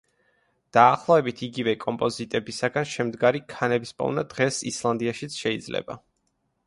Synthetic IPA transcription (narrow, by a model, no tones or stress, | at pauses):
d̪̥aːχlˠɔvɛbit̪ʰiɡivɛkʼɔmpʼɔzit̪ʼɛbisaɡanʃɛmd̪ɡaɾikʰanɛbispʼɔ̰vnad̪̥ʁɛsislˠand̪iaʃit̪sʰʃɛid̪zlɛ̰ba̰